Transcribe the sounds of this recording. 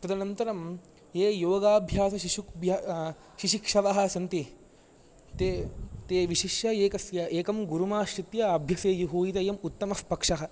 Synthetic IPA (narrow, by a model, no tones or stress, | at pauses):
t̪ɐd̪ɐnɐnt̪ɐɾɐm | eːjoːɡaːbʱjaːsɐʃiʃukbʱja | ʃiʃikʂɐʋɐɦɐ̆sɐnt̪i | t̪et̪eːʋiʃiʃjɐeːkɐsjɐʔeːkɐmɡuɾumaːʃɾit̪jɐːbʱjɐseːjuɦuːjit̪ɐjɐmut̪ːɐmɐspɐkʂɐɦɐ